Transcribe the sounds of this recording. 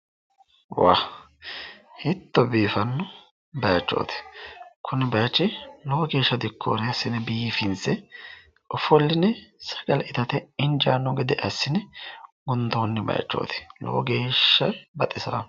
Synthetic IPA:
wa̰ | hɪt̪ːɔbiːfɐnːɔ | bɐjɐt͡ʃːo̰ːt̪ɪ̥kʰʊnɛbɐjɐt͡ʃːɛlɔwɡe̞ːʃːɐd̪ɪkʰːoːɾɛɐsːɪnɛbiːfɪnsɛ | ɔfɔlːɪnɛsɐ̥ɡ̥ɐlʔɪt̪ɐt̪ɛɪnd͡ʒaːnːɔɡɪd̪ɛʔɐsːɪnɛɡʊnd̪oːnːɛbɐ̰jɐ̰t͡ʃːo̰ːt̪ɪ̥lo̰wɡe̞ːʃːɐbɐt̪ʼɪsɐɾɐ̰

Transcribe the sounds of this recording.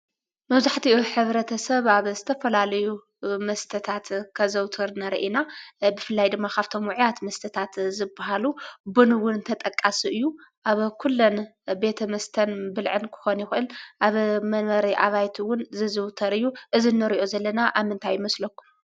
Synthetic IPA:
mɐβzaħt̪ʰiuħɨβɾɐt̪ʰɐsɐβaβzɨt̪ʰɐfɐlalɐju | mɐst̪ʰɐt̪ʰat̪kʰɐzɐwt̪ʰɐɾnaɾiʔinabɨfɨlːajd̪ɨmːakaβt̪ʰo̞mwʊʕjat̪mɐst̪ʰɐt̪ʰat̪zɨbːaɦalubunwʊnt̪ʰɐt̪ʼɐkʼːasiʔɨjːuʔaβkʰulːonbe̞t̪ʰɐmɐst̪ʰɐnbɨlʕɨnkʰɨ̥xo̞njixɨʔɨlʔaβmɐnmɐɾiʔaβajt̪ʰiwʊnzɨzɨwt̪ʰɐɾɨjːuʔɨzinːɨɾiʔozɐlːɐnaʔaβmːɨnt̪ʰajːɪmɐslɐkːu̥m

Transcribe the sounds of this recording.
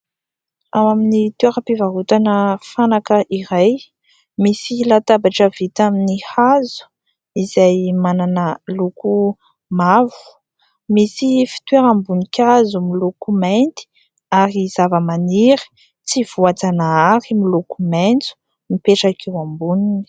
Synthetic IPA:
amaminit̪eɾapivaɦut̪anəfanakəʔiɾaj | misilat̪abaʈ͡ʂəv̥it̪aminihazu̥ | izajmananəluku | mavu̥ | misifi̥t̪ueɾambunikʲazumilokument̪i̥ | aɾiz̥avəmaniɾə̥ | t͡siv̥uat͡sanaaɾimilokument͡su̥ | mipeʈ͡ʂakʰewambunini̥

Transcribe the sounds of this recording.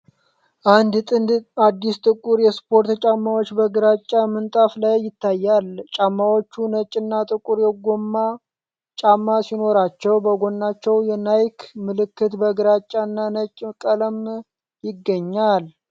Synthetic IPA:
ʔand̪t̪ʼɨnd̪ad̪ːist̪ʼɨkʼːuɾjɛspʰo̞ɾt̪t͡ʃʼamːawo̞t͡ʃːbəɡɨɾat͡ʃʼːamɨnt̪ʼaflajjɪt̪ʰːajːalt͡ʃʼamːawot͡ʃːunət͡ʃʼːɨnːat̪ʼɨkʼuɾjɛɡomːa | t͡ʃʼamːasino̞ɾat͡ʃːɛwbəɡo̞nːat͡ʃːɛwjɛnajkʰmɨlɨkːɨt̪bəɡɨɾat͡ʃʼːanːanət͡ʃʼːkʼələm | jɪɡːəɲːal

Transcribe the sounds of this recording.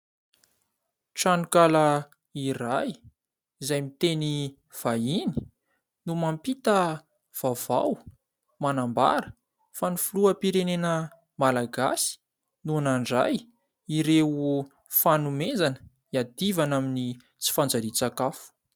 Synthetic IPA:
ʈ͡ʂanukalə | iɾaj | izajmit̪eni | v̥aini̥ | numampit̪ə | v̥av̥a̰w | manamba̰ɾə | fanifuluəpiɾenenə | malaɡa̰si̥ | nunaɳɖ͡ʐa̰j | iɾeu | fanumenzanə̥ | iad̪ivanamini | t͡si̥fand͡zaɾit͡sakafu̥

